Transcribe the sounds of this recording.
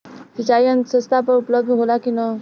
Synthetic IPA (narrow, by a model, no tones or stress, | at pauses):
sit͡ɕajənsə̃st̪ʰapəɾupləb̚d̪ʱɦolakinə